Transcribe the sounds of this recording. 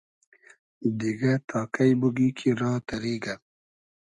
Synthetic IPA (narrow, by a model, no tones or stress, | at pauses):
d̪iɡat̪ʰɑːkajbuɡikʰiɾɑːt̪ɐɾiːɡa